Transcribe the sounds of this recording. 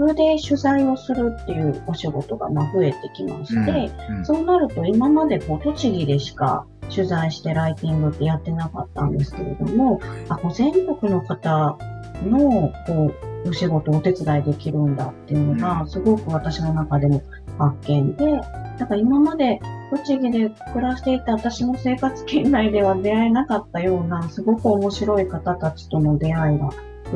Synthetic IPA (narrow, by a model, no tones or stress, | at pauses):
ɯd̪e̞ɕɨzaio̞sɨɾɯ̟t̪ːe̞jɯ̟ːo̞ɕiɡo̞t̪o̞ɡa̰maɸɯ̟e̞t̪e̞kʲima̰ɕi̥t̪e̞so̞ːnaɾɯ̟t̪o̞imamad̪e̞ko̞ːt̪o̞t͡ɕiɡʲid̪e̞ɕi̥ka̰ | ɕɨzaiɕi̥t̪e̞ɾait̪ʲĩŋɡɯ̟t̪ːe̞jat̪ːe̞nakat̪ːã̰nd̪e̞sɨ̥ke̞ɾe̞̰d̪o̞̰mo̞ako̞ːzẽ̞ŋko̞kɯ̟no̞kat̪ano̞ko̞ːoɕiɡo̞t̪o̞ːt̪e̞t͡sɨd̪aid̪e̞kʲiɾɯ̟̃nd̪at̪ːe̞jɯ̟noɡasɨɡo̞kɯ̟β̞at̪aɕino̞nakad̪e̞mo̞ | hakːẽ̞nd̪e̞nakaimamad̪e̞kot͡ɕiɡʲid̪e̞kɯ̟ɾaɕsi̥t̪e̞it̪ːaβat̪aɕimo̞se̞ːkat͡sɨ̥kẽ̞nːaid̪e̞β̞ad̪e̞aenakat̪ːajo̞ːnasɨɡo̞kɯ̟o̞mo̞ɕiɾo̞ikat̪at̪at͡ɕi̥t̪o̞no̞d̪e̞aiɡa